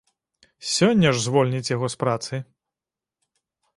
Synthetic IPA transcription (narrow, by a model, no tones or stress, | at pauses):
sʲɔnʲːɐʐzvɔlʲnʲit͡sʲjaɣɔspɾat̪sɨ